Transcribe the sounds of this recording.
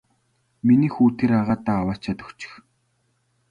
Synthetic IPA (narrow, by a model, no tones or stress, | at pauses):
miniːxuːt̪ʰeɾaʁaːt̪aːwaːt͡ɕʰat̪ə̆kt͡ɕɪ̥̆x